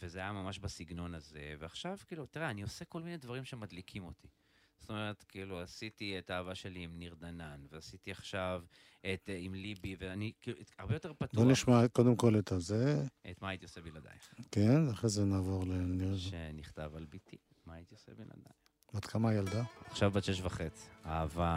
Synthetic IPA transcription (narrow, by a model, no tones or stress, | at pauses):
vezeajamamaʃbasiɡno̞nazeveaχʃavkiːlut̪iʁeanio̞seko̞lminedvaʁimʃe̞mad̪likʰimo̞t̪ʰi | z̥o̥t̪ome̞ʁet̪kiːluasit̪iet̪aːvaʃe̞liːmniʁd̪ananveasit̪iaχʃav | et̪imlibiveanikiuaʁbejoteʁpatbuoniʃmakod̪emko̞let̪azeʔet̪maːjit̪iosebilad̪a̰jkenaχezenaːvo̞ʁleniʁʃʃḛniχt̪avalbit̪i | maːjit̪iosebila̰d̪a̰ | ad̪kʰamajald̪aaχʃavbaʃeʃvaχet͡si̥a̰ːva